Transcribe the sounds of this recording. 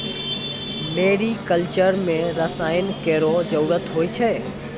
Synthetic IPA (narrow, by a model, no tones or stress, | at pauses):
meːɾikəlt͡ʃəɾmẽɾəsaːjənkeːɾod͡ʒəɾuɾət̪ɦoːit͡ʃʰɛ